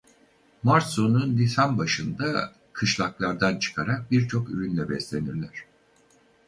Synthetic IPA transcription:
maɾsununlʲisanbaʃɯnd̪a | kʰɯʃlˠaklˠaɾd̪ant͡ʃʰɯ̥kʰaɾak̚biɾt͡ʃʰo̞kyɾynlʲɛbɛslʲe̞niɾlʲæɾ̝̥

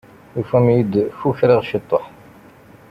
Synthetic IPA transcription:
jufæmjid̪fuçɾiʁʃit̪ˤːoħ

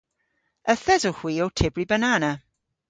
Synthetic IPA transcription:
əθɛzɔhwiːɔwtʰɪbribənanə

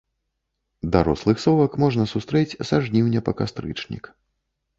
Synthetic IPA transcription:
d̪aɾɔslˠɨxsɔwɐkmɔʐnɐsust̪ɾɛt͡sʲsaʐnʲiwnʲɛpɐkast̪ɾɨ̰t͡ʂnʲḭk

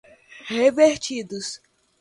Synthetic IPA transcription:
heveɾt͡ʃid̪us

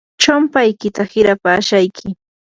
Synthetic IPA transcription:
t͡ʃoʊmpajkɪt̪ahɪɾapaːʃajkʰɪ

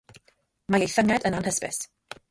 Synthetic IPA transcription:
majejθəŋɛdənanhəspɪ̰s

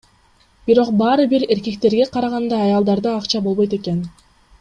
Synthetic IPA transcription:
b̥iɾo̞qbɑːɾɯbiɾe̞ɾke̞k̚t̪e̞ɾɡe̞qʰɑɾɑʁɑnd̪ɑːjɑlˠd̪ɑɾd̪ɯɑqt͡ʃɑbo̞lˠβo̞jt̪e̞ke̞n

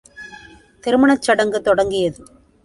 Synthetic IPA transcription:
t̪ɪɾɯmɐɳɐt͡ʃːɐɽɐŋɡɯt̪ːɔɽɐŋɡɪjɐðɯ

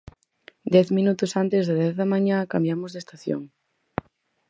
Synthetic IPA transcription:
d̪ɛθmĩnut̪ʊsant̪ezðaðɛθðɐmaɲãkambjamozðest̪aθjo̰ŋ

